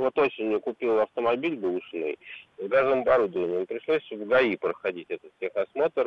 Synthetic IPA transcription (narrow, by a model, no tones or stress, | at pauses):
vo̞t̪o̞sʲɪnʲjʊkʊpʲilˠɐft̪əmɐbʲilʲbɨlˠʊʂno̰jzɡazəəmɐbɐɾud̪əvənʲɪjəmpɾʲɪʂlˠosʲvɡɐipɾəxɐdʲitʲɛt̪ət̪tʲexɐsmo̞t̪ər